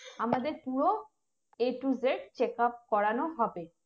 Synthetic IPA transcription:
amad̪eɾpuɽo | eʈuzeɽ̚t͡ɕekap̚kɔɽanoɦɔbe

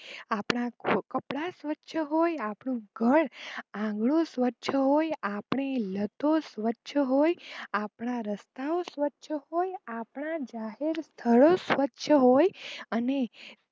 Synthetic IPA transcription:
apɳ̃ãkəpɽasʋətːʃʰəɦojapɳũɡʱəɳãɡɭũsʋətːʃʰəɦojapɳ̃elət̪osʋətːʃʰəɦojapɳ̃aɾəst̪aosʋətːʃʰəhojapɳ̃ad͡ʒaɦeɾst̪ʰəɭosʋətːʃʰəɦojəne

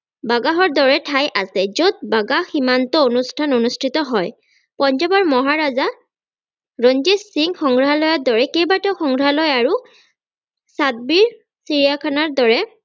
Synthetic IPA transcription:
baɡaɦɔɹdɔɹɛtʰajʔasɛzod̪̚baɡaximantɔonustʰanonustʰitɔɦɔj | pɔnd͡ʒɔbɔɹmɔɦaɹaza | ɹɔnd͡ʒissiŋxɔŋɡɹalɔjɔdɔɹɛkejbatɔxɔŋɡɹalɔjaɹu | sat̚biɹ | siɹijakʰanaɹdɔɹɛ

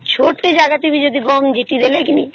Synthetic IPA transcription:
t͡ɕʰoʈed͡ʑaɡat̪umid͡ʑod̪ʱiɡɔmd͡ʑiʈid̪elekini

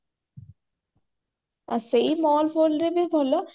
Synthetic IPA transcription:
a̰sejmɔlfolɾebebʱɔlo

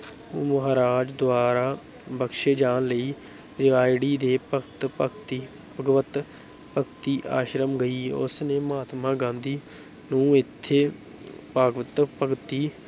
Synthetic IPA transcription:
məɦaːɾaːd͡ʒd̪ʊaːɾaː | bəkʃeːd͡ʒaːnləiː | ɾɪʋaːjɖiːd̪eːpəkt̪ət̪i | pəɡʋət̪ | pəkt̪iːʔa̰ːʃɾəmɡəiːʊ̰sneːmaːt̪mãːɡãːnd̪iː | nũːɪt̪ʰːeː | paːɡʋət̪pəkt̪iː

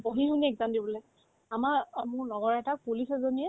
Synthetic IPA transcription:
boɦiɦuniɛkzandibɔlɛ | amaɹmʊɹnɔɡɔɹɛtak̚pulisɛzoniɛ

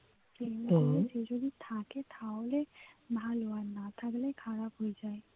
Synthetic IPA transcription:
semaed͡ʒed͡ʒod̪it̪ʰaket̪ʰaole | bʱalowanat̪ʰaklekʰaɹapɦojzaj

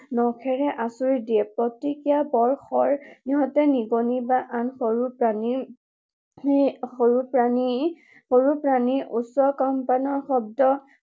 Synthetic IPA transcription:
nɔkʰɛɹɛʔasuɹidiɛpɹɔtːikijabɔɹxɔɹniɦɔtɛniɡonibaʔanxoɹupɹani | xoɹupɹani | xoɹupɹaniʔusɔkɔmpanɔɹxɔb̚dɔ

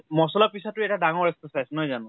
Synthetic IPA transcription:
mɔsɔlapisɔtːʊɛtadaŋɔɹɛstɔsajsnɔjzanʊ̃

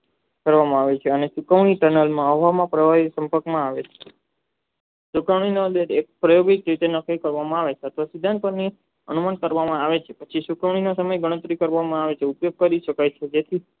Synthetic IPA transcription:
kəɾʋamãaʋet͡ʃʰeəneʃukʰəʋɳ̃iʈənəlmãəʋamãpɾəʋaɦisə̃mpəɾkmãaʋet͡ʃʰe̥ | sukʰəʋɳ̃inod̪əɾek̚pɾəjoɡit̪̚d͡ʒet̪enəkəkəɾʋamãaʋet͡ʃʰat̪ʰʋasid̪ʱãnpəɾni | ə̰numankəɾʋamãaʋet͡ʃʰepət͡ʃʰiʃukʰəʋɳ̃inosəməjɡəɽ̃ə̃t̪ɾikəɾʋamãaʋet͡ʃʰeupjoɡ̚kəɾiʃəkajt͡ʃʰed͡ʒet̪ʰi

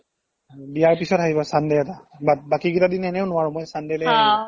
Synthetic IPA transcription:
bijaɹpisɔtaɦibɔsandɛjɛtabat̚bakikitadinɛnɛʊnʊwaɹʊ̃mɔjsandɛlɛa

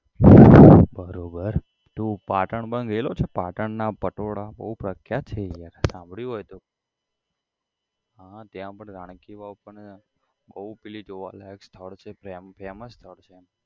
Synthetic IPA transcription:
bəɾobəɾ | t̪upaʈəɳbənɡəilot͡ʃʰepaʈəɳnapəʈoɽabə̰ɦupɾəkʰjat͡ʃʰejaɾsãmbʱɭiɦojt̪o | ɦat̪jãpəɳɡaɽ̃kiʋaupəɳ | bəɦupilid͡ʒoʋa̰lakst̪ʰəɭt͡ʃʰepɾempʰeməst̪ʰəɭt͡ʃʰe

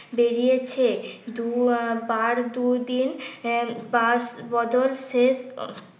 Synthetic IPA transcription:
beɾijet͡ɕʰed̪ubaɾd̪ud̪in | basbɔd̪olses

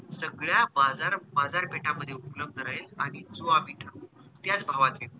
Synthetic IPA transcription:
səɡɭjabad͡zaɾbad͡zaɾpeʈaməd̪ʱjeupləb̚d̪əɾajet͡sa̰ɽ̃it͡soapiʈʰakː | t̪jat͡sbʱaʋat̪il

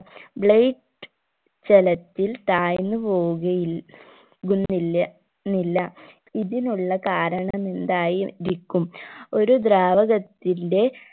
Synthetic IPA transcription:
bɭejʈ | t͡ɕelɐt̪ːilt̪aːjnːɨpo̞ːuɣɐji | ɡunːilː | nilːɐ | iðinuɭːɐkaːɾɐɳɐme̞nd̪aːjiɾikʲːumo̞ɾud̪raːʋɐɣɐt̪ːinde̞

